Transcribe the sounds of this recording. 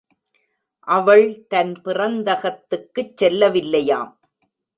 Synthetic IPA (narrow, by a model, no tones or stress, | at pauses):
ʔɐʋɐɭt̪ɐnpɪrɐnd̪ɐɣɐt̪ːɯkːɯt͡ʃsɛlːɐʋɪlːɐjaːm